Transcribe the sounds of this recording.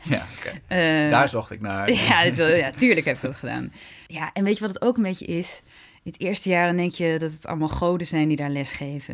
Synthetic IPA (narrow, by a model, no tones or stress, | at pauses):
ja̰kedaːɹzɔχtɪk̚naːɹjadɪtʋɪjatyːɹləkɦɛpɪkɔtχəda̰ːnjaʔɛnʋejtəʋɔdətowkənbejcə̰ʔɪs | ɪnətɪːɹstəjaːɹdɔndɛŋkjədɔtətʰɑ̰lˠmalˠχowdəzɛjndidaːɹlɛsχejvə̰